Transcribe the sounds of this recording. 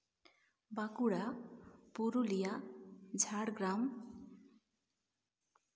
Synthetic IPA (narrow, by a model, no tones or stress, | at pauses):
bakuɽapuɾulijad͡zʱaɽɡɾam